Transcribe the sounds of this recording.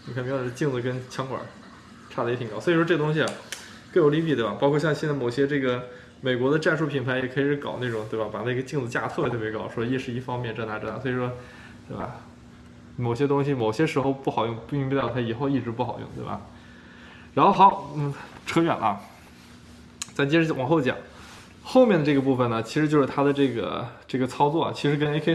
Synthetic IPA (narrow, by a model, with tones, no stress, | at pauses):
ni˨˩kʰp̪t͡ɕi˥˧ŋt͡sɹ̩˧˩kə˥nt͡ɕʰjɑ˥ŋkwə̰˞˨˩˦ | ʈ͡ʂʰa˥˩ə˩˧˥t̪ʰi˨˩ŋkɑ˥sɔ˧˥i˨˩ʂwɔ˥ʈ͡ʂɤ˥˩ɡə˩t̪ʊ˥ŋɕ̬i˨a˩ | kɤ˥˩jo˧˥ʊli˧˥pi˥˩t̪wa˩pɑ˥kʰɔ˥˧ɕjɑ˥˧ŋɕɛ˥˧nt͡sa˥˩mo˨˩ʊɕjɛ˥ʈ͡ʂɤ˥˩ɡə˩ | me˨˩ɪkwɔ˧˥d̪ə˧ʈ͡ʂa˥˧nʂu˥˩pʰi˨˩npʰa˧˥ɪjɛ˨˩kʰi˨˩ʂɻ̩˧˥kɑ̰˨˩ʊna˥˩ʈ͡ʂʊ˨˩ŋt̪we˥˩ɪba˨˩pa˨˩na˥˩ɡə˩˧t͡ɕi˥˧ŋt͡sɹ̩˧˩t͡ɕja˥˧t̪ʰɤ˥˩jt̪ʰjkɑ˥˩˦ʊʂwɔ˥˧i˥˧ʂɻ̩˥˧i˥˩fɑ˥ŋmjɛ˥˩˧nʈ͡ʂa˥˩na˧˥ʈ͡ʂna̰˧˥˩swi˨˩ʂwɔ˥ | t̪we˥˩ɪbɐ̰˨˩ | mo˨˩ʊɕ̬jɛ˥t̪ʊ˥ŋɕi˨mo˨˩ʊɕjɛ˥ʂɻ̩˧˥xo˧ʊpu˥˩xɑ˨˩ʊjʊ˥˩˧ŋppi˥˧t̪ɑ˥˩t̪ʰa˥i˨˩xo˥˧ʊi˥˩ʈ͡ʂɻ̩˧˥pu˥˩xɑ˨˩ʊjʊ˥˧ŋt̪we˥˩bɐ̰˩ | ɻa˧˥nxo˥˩ʊxɑ˧˥ʊn̩˥˩ʈ͡ʂʰɤ˧˥ɥɛ̰˨˩nʔə˦˥˩ | t͡sɪt͡ɕɛ˥ʂɻ̩˧˥˩wɔ˨˩˥xo˥˩ʊt͡ɕjɑ̰˨˩˦ŋ | xo˥˧ʊmjɛ˥˩nd̪ə˩ʈ͡ʂɤ˥˩ɡə˩pu˥˩fə˩nə˩t͡ɕʰi˧˥ʂɻ̩˧˥t͡ɕjʊʂɻ̩˥˧˩t̪ʰa˥d̪ə˨ʈ͡ʂɤ˥˩ɡə̰˩ʈ͡ʂɤ˥˩ɡə˩t͡sʰɑ˥ʊt͡swɔ˥˩ɐ̰˨˩t͡ɕʰi˧˥ʂɻ̩˧˥k̬ə˥ne˥kʰe˥